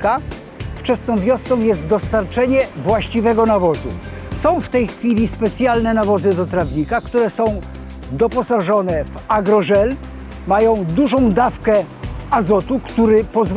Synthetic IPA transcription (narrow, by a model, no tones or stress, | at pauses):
ka | ft͡ʂɛsnɔ̃w̃vʲjɔsnɔ̃w̃jɛst̪d̪ɔst̪aɾt͡ʂɛɲɛvwaɕt͡ɕivɛɡɔnavɔzṵ | sɔ̃w̃ft̪ɛjxfʲilʲispɛt̪sʲjalnɛnavɔzɘd̪ɔt̪ɾavɲikakt̪uɾɛsɔ̃w̃ | d̪ɔpɔsaʐɔnɛvaɡɾɔʐɛl | majɔ̃w̃d̪uʐɔ̃w̃d̪afkɛ | azɔt̪ukt̪uɾɘpɔzv